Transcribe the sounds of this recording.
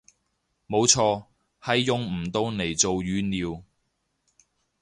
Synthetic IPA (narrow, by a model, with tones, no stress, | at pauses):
mo˨˧wt͡ʃʰɔː˧ | hɐ˨jːʊ˨˧ŋm̩˨˩t̪o˧wne˨˩jt͡so˨wjyː˨˧niː˨w